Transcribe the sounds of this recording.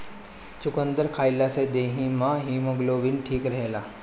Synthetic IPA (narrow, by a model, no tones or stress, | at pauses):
t͡ʃʊkənd̪əɾkʰaːjlased̪eːɦĩmãɦiməɡloʋɪnʈʰiːkɾɐɦelaː